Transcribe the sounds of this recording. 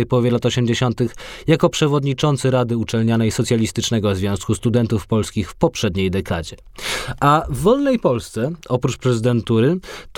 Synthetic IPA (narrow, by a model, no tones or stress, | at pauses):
jpɔwɔvʲɛlat̪ɔɕɛmd͡ʑeɕɔnt̪ɘxjakɔpʂɛvɔd̪ɲit͡ʂɔnt̪sɘɾad̪ɘut͡ʂɛlɲanɛjsɔt̪sʲjalʲist̪ɘt͡ʂnɛɡɔvzvʲjɔ̃w̃skust̪ud̪ɛnt̪ufpɔlskʲixfpɔpʂɛd̪ɲejd̪ɛkad͡ʑɛ | ʔavːɔlnɛjpɔlst̪sɛɔpɾut͡ʂpɾɛzɘd̪ɛnt̪uɾɘt̪